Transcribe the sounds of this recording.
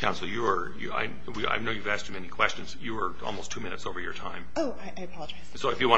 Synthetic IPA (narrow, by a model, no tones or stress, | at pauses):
kʰãʊ̃nsl̩ˠjəə˞ | jɨ̰a̰ɪ | wia̰ɪnoʊjɨvæsk̚t͡ʃɨmɛnikʰw̥ɛst͡ʃɨ̃nz̥jɨə˞ɔ̰lˠmoʊstʰumɪ̃nɨ̰tsoʊvə˞jə̰˞tʰãɪ̃moʊaɪʔaɪpʰɑlˠəd͡ʒaɪzsoʊɨfjɨwɑ̃